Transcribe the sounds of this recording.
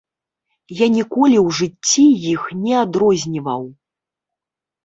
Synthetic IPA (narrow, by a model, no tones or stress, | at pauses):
janʲikɔlʲiwʐɨt͡sʲːijixnʲɛad̪ɾɔzʲnʲivɐw